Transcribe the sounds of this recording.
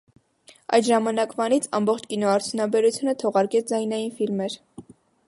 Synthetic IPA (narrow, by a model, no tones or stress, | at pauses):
ɑ̰jt̪ʒɑmɑnɑkvɑnit͡sʰɑ̰mbɔχt͡ʃʰkinɔɑɾt͡sʰjunɑbɛɾut͡sʰjunət̪ʰɔʁɑɾkɛt͡sʰd͡zɑjnɑjinfilmɛɾ